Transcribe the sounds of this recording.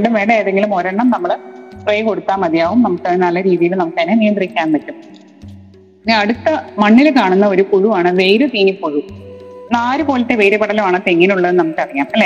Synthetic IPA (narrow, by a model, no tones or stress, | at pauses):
ɳɖumʋeːɳɖɐeːðeŋɡilumo̞ɾɐɳːɐmnɐmːɐɭsrejko̞ɽut̪ːaːmɐd̪jaːʋumnɐmukːɐɳɨnɐlːɐɾiːðijilnɐmukːɐnːeneːnd̪irikʲːaːnʋɐtːum | inɐɽut̪ːɐmɐɳːilkaːɳunːɐo̞ɾukuɻuʋaːɳɨʋejɾut̪iːnipːoɻunaːɾupo̞ːlɐt̪ːeʋe̞ːɾupɐɽɐlumaːɳɨt̪eŋːinuɭːɐðnɐmːɐkːɐɽɐjaːmlː